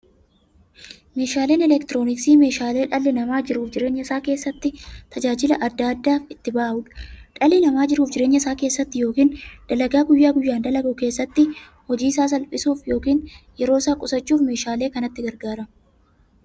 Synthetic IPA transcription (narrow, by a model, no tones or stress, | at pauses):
me̞ːʃaːle̞ːnɛlɛkt̪ɪɾo̞ːnɪksiːme̞ːʃaːle̞ːᶑɐlːɪnɐmaːd͡ʒɪɾuːfd͡ʒɪɾe̞ːɲːɐɪsaːke̞ːsːɐt̪ːɪt̪ʰɐd͡ʒaːd͡ʒɪlɐʔɐd̪ːɐːɐd̪ːaːfɪt̪ːɪbaːʔʔʊᶑɐ̥ᶑɐlɪnɐmaːd͡ʒɪɾuːfd͡ʒɪɾe̞ːɲːɐɪsaːke̞ːsːɐt̪ːɪjo̞ːkiːnd̪̥ɐlɐɡaːɡʊjːaːɡʊjːaːnd̪ɐlɐɡuke̞ːsːɐt̪ːɪ | hɔd͡ʒiːsaːs̬ɐlpʼɪsuːfjo̞ːkiːnjɛɾoːɪsaːkʼʊsɐt͡ʃːuːfme̞ːʃaːle̞ːkɐnɐt̪ːɪɡɐɾɡaːɾɐ